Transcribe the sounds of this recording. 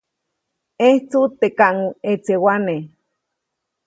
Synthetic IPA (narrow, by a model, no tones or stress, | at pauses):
eht͡sut̪ekaʔŋuet͡sewane